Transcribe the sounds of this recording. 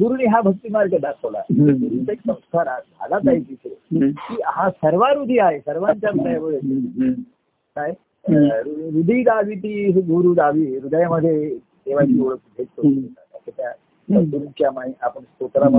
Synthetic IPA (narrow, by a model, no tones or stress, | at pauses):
ɡuɾuniɦabʱək̚t̪imaɾkad̪akʰəʋla̰t̪əuɾut̪aeksəmst̪ʰaɾabʱa̰lat̪ait̪it͡ʃʰekiɦãsəɾʋaɾud̪ʱiaɦesəɾʋaɲt͡ɕjaɾud̪əjaməd̪ʱjet̪u | saɦe | ɾuɾud̪ʱiːd̪aʋit̪iɡuɾud̪aʋiɾud̪əjaməd̪ʱːje | t̪eʋat͡ʃioɭəkbʱet̪̚kot̪iot̪at̪akʰet̪ja | ɡuɾut͡ɕjamaĩapəɳst̪ok̪ɾama